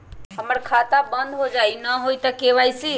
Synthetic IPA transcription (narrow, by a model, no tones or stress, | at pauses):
ɦəməɾkʰat̪abənd̪ɦod͡ʒainəɦoit̪əkeʋajsi